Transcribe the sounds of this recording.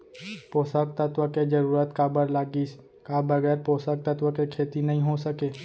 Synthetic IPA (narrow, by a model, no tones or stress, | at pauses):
poːsək̚t̪ət̪ʋəked͡ʒəɾuːɾət̪kabəɾlaːɡis | kabəɡɛːɾpoːsək̚t̪ət̪wəkekʰeːt̪inəɦĩɦosəkeː